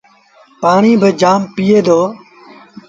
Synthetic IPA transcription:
paːɳiːbʱəd͡ʒaːmpɪːeːd̪oː

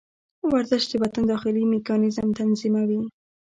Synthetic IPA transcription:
waɾzɪʃt̪d̪əbat̪and̪ɑxɪlimɪkɑnɪzəmt̪anzimawi

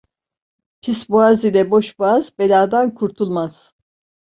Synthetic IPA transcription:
pʰisbuazilʲɛbo̞ʃbuazbelʲaːd̪ankʰuɾt̪ʰulˠmaz̥

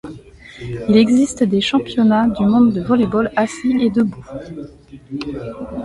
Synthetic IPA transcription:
ilɛɡzist̪d̪eʃɑ̃pjɔnad̪ymɔ̃d̪ːəvɔlebɔlasiʔed̪əbu

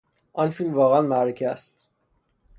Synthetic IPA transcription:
ʔɒnfilmvɒːɣeænmæɾecʰeæst̪

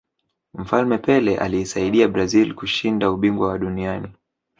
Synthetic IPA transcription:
m̩falmɛpɛlɛʔa̰liːsaiɗiaɓɾazilkuʃindauɓiŋɡwawaɗuniani

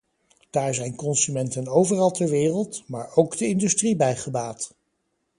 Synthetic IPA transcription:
d̥aːɹzɛjnkɔnsymɛntənowvərɑlˠtɛɹʋɪːrəlˠtmaːɹowɡdəɪndystribɛjχəbaːt

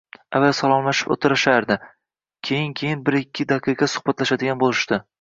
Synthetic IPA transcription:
avalsalˠɒmlaʃɪ̥po̰t̪ʰɪɾɪʃaɾd̪ɪ | kʲʰe̞jɪnkʲʰe̞jɪnbɪɾɪkʲːɪd̪aqʰɨqɑsʊ̥χbat̪laʃad̪ɪɡʲanbolˠɪʃt̪ɪ

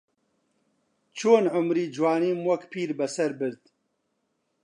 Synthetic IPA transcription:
t͡ʃʰoːnʕʊmɾiːd͡ʒwaːniːmwɐkpʰiːɾbɐsɐɾbɨɾd̪

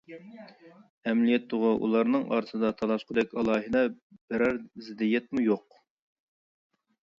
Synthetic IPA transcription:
ɛmlijɛt̪ːʊʁʊʔṵlˠɑɾnɨŋɑ̰ːɾɨsɨd̪ɑt̪ʰɑlˠɑʃqʰəd̪ɛkʲɑlˠɑːɦɨd̪ɛb̥æɾɑɾzɪd̪ijɛt̪mujoq

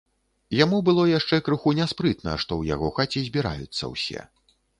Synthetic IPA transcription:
jamubɨlˠɔjaʂt͡ʂɛkɾɨxunʲɛspɾɨt̪nɐ̰ʂt̪ɔwja̰ɣɔxat͡sʲizʲbʲiɾa̰jut̪sːɐ̰wsʲɛ̰

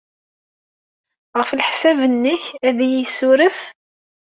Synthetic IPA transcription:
ʁəfəlħsævənːəçæðijəsʊɾəf

